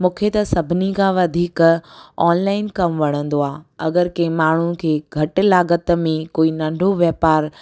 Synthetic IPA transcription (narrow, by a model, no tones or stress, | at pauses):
mũːkʰet̪ɐsɐbʱɪnikʰãːʋɐd̪ʱiːkɔːnlaːɪnkɐmʋɐɽ̤̃ə̃nd̪oaːɐɡəɾkɐ̃ːmaːɳ̤ũkʰeːɡʱɐʈlaːɡət̪mẽkoːinɐ̃ɳɖʱoʋjɐpaːɾ